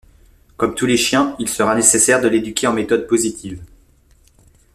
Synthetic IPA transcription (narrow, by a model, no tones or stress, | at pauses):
kɔmt̪uleʃjɛ̃ilsəʁanesesɛʁd̪əled̪ykʲeɑ̃met̪ɔd̪̚pozit̪ʰiv